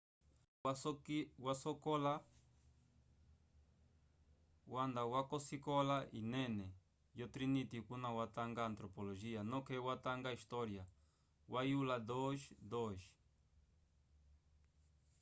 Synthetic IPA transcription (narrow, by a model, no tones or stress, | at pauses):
wasokola | wand̪awakosikolaʔinẽne | jot̪ɾinit̪ikunãwat̪aŋɡaːnt̪ɾopoloʒianõkewat̪aŋɡaist̪oɾja | wajulad̪oʃd̪oʃ